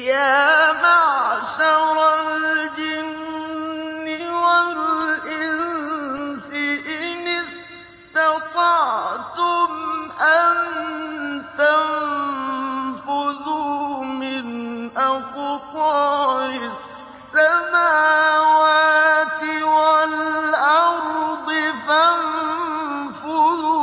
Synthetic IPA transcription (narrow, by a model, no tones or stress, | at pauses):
jaːmaʕʃaɾˤald͡ʒɪnː | ɪwalʔɪnnsɪʔɪnɪs | t̪ɪqɑʕt̪ʊmʔan | t̪am | fʊðumɪnʔakʊtɑːɪ | ssːamaːwaːt̪ɪwalʔɑɾˤd̪ˤɪfam | fʊ